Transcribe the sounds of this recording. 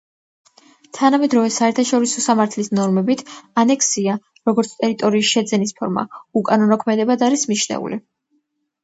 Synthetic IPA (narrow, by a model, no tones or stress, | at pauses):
t̪ʰanamɛd̪ɾɔvɛsaɛɾt̪ʰaʃɔɾisɔsamaɾt̪ʰlisnɔɾmɛbit̪ʰanɛkʰsia | ɾɔɡɔɾt̪sʰt̪ʼɛɾit̪ʼɔɾiːsʃɛd̪zɛnispʰɔɾma̰ukʼanɔnɔkʰmɛd̪ɛbad̪aɾismiʃnɛ̰ṵlḭ